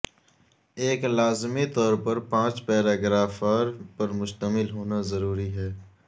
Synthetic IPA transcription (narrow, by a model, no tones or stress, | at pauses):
eːklaːzmit̪ɔːɾpɐɾpãːt͡ʃpɛːɾaːɡɾaːfaːɾpɐɾmʊʃt̪əmɪlɦoːnazɐɾuːɾiɦɛː